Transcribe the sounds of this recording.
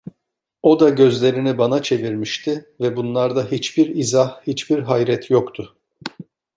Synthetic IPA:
o̞d̪aɟø̞zlʲe̞ɾinibanat͡ʃʰe̞viɾmiʃt̪ʰɪvɛbunlˠaɾd̪aɦit͡ʃbiɾizahhit͡ʃbiɾɦajɾɛt̪ʰjo̞kt̪ʰʊ

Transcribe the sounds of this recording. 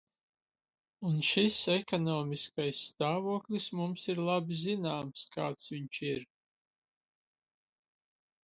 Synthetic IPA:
unʃisɛkɔnɔːmiskajsːt̪aːvuɔklʲismumsiɾlˠabizinaːmskaːt̪sviɲt͡ʃiɾ

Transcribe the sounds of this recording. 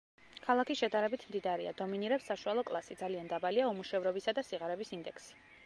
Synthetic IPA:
kʰalˠakisʃɛd̪aɾɛbit̪ʰmd̪id̪aɾia̰d̪ɔminiɾɛpsːaʃualˠɔkʼlˠasid̪zaliand̪abaliaɔmuʃɛvɾɔbisad̪asiʁaɾɛbisind̪ɛkʰsi̥

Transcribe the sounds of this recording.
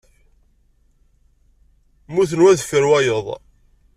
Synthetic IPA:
muθənwæðfəɾwæjəðˤ

